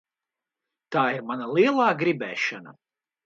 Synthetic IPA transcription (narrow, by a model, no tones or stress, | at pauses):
t̪aːiɾmanalˠiɛlˠaːɡɾibɛːʃɐna̰